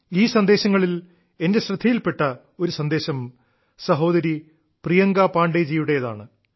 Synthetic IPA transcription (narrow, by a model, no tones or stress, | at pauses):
iːsɐnd̪e̞ːɕɐŋːɐɭil | e̞ndeɕrɐd̪ʱːɐjilpe̞ʈːɐ | o̞ɾusɐnd̪e̞ːɕɐm | sɐɦo̞ːd̪ɐɾi | prijɐŋɡapaːɳɖed͡ʑiːjuɽe̞jɐða̰ːɳɨ